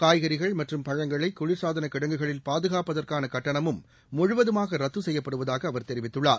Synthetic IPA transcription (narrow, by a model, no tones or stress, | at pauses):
kaːjɣɐɾɪɣɐɭmɐʈrɯmpɐɻɐŋɡɐɭɐɪkːʊɻɪɾsaːðɐnɐkɪɽɐŋɡɯɣɐɭɪlpaːðɯɣaːpɐðɐrkaːnɐkɐʈːɐɳɐmɯmː | ʊɻʊʋɐðɯmaːɣɐɾɐt̪ːʋɯsɛjːɐpːɐɽɯʋɐðaːɣɐːʋɐɾt̪ɛɾɪʋɪt̪ːɯɭːaːɾ